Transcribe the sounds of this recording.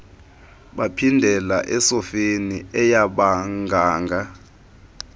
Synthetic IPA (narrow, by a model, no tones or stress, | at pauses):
ɓapʰindʱɛlaʔɛsɔfeniɛjaɓaŋɡʱaːŋɡʱa